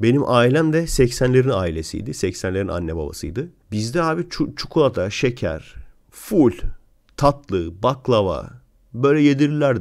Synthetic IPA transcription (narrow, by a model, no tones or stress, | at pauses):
be̞nimʔaːilʲæmd̪ɛsɛcsænlʲe̞ɾinaːilʲesḭjd̪isɛcsænlʲe̞ɾina̰nːɛba̰ba̰sɯjd̪ɯ | bizd̪ɛɦaːbit͡ʃʰut͡ʃʰu̥kʰulˠat̪ʰaʃecʰæ̰ɾ̥ | fulʲ | t̪ʰat̪lˠɯbaklˠava̰ | bø̞jlʲɛjed̪iɾilʲæɾd̪